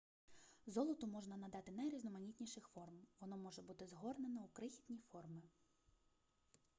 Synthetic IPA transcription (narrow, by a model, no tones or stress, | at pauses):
zɔlˠɔt̪ʊmɔʒnɐnɐd̪ɑt̪ɪnɐjɾʲiznɔmɐnʲitʲnʲiʃɪxfɔrmʋɔnɔmɔʒɛbut̪ɪzɦɔrnenɔukɾɪxʲi̥t̪ʲnʲifɔrmɪ